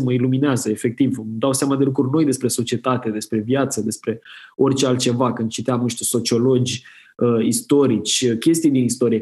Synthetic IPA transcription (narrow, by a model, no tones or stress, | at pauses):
məilumineazəefe̞k̚t̪ivmd̪awseamad̪e̞lukɾurʲno̞jd̪e̞spɾe̞so̞t͡ʃie̞t̪at̪e̞d̪e̞spɾe̞vjat̪səd̪e̞spɾe̞o̞rʲt͡ʃe̞alt̪̚t͡ʃe̞vakɨnd̪t͡ʃit̪iamnuʃt̪uso̞t͡ʃio̞lo̞d͡ʒʲ | əist̪o̞ɾit͡ʃʲkʲe̞st̪ijd̪inist̪o̞ɾije